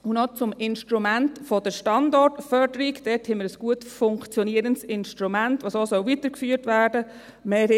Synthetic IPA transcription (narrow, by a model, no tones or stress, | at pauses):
ʊnɔt͡sʊmɪnʃtɾumæntfɔd̥əʃtɑndɔɹtfœɾdəɾikd̥ɛthɛməɾəsɡ̥uətfʊŋkt͡sjɔniːəɾəntsɪnʃtɾumæntʋosoːsœlviːtəɾkfyːɾtʋæːɾdə | meː